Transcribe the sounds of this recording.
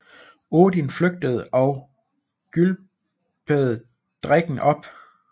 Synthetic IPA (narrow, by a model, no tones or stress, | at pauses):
oːdinfløɡ̥̚d̥əð̞̩ˠɒ̽ʊ | ɡ̥yl | b̥ʰəð̩ˠ | d̥ʁaɡ̥n̩ʔɒ̽b̥